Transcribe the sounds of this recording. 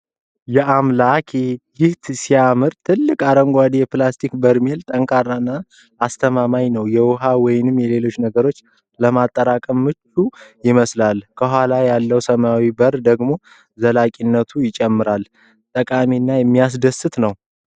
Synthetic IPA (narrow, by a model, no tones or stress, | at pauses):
jɛʔamlakʰjɪht̪sijamɨɾt̪ʰɨlːɨkʼaɾəŋɡʷad̪ijɛplast̪ʰikbəɾmelt̪ʼəŋkʰarːanːaː | st̪ʰəmamajnəwjɛwʊɦawɔjɪnɨmjɛle̞lo̞t͡ʃːnəɡəɾo̞t͡ʃː | ləmat̪ʼːəɾakʼəmːɨt͡ʃːujɪməslalkʰəɦʷalajalːəwsəmawibəɾd̪əɡmo̞ | zəlakʼinːət̪ʰujɪt͡ʃʼɛmːɨɾal | t̪ʼəkʼaminːajɛmːijas̬d̪əsɨt̪nəw